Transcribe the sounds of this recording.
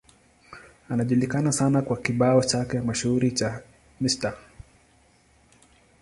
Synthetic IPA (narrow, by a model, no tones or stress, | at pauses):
anaʄulikanasanakwakiɓaɔt͡ʃakɛamaʃuuɾit͡ʃa | mista